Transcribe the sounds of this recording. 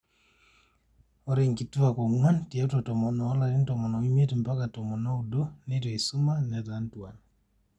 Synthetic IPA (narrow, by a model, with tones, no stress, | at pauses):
ɔɾɛŋki˨tu˦a˨kɔ˨ŋwa˦nti˨a˦tɔ˨tɔ˨mɔnɔ˨˦la˨ɾi˦ntɔ˨mɔ˨nɔ˨i˦mje˦timpakatɔ˨mɔ˨na˦udɔ˦nɛtɔ˨i˨su˦ma˦nɛ˨tantu˨wa˨n